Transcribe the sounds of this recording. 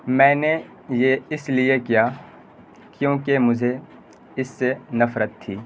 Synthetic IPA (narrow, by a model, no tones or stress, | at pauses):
mɛ̃ːne | jeɪsliekijaː | kjõːkemʊd͡ʒʱe | ɪsːenɐfɾət̪̚t̪ʰːiː